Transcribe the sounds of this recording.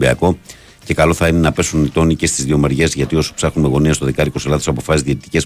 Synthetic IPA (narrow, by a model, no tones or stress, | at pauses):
biɐko̞ | ce̞kɐlo̞θɐine̞nɐpe̞sunit̪o̞nice̞st̪izðio̞meɾʝe̞zʝɐt̪io̞su̥psɐxnunme̞ɣo̞niɐst̪o̞ðekɐɾiko̞selɐðsɐpo̞fɐsizðiet̪it̪i̥ce̞s